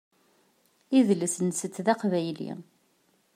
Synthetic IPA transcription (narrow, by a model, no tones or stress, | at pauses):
iðləsənsət͡s̪ːðæqvæjlḭ